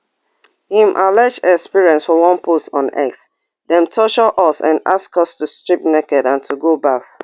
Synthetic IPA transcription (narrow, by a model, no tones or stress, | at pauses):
hĩmʔalɛd͡ʒɛkspiɹiɛ̃nsfɔwɔ̃npʰusɔ̃nɛ̰ks | dɛ̃mtʰɔʃɔʔɔsã̰na̰skɔstustɹip̚nɛkɛdãntʰuɡobaf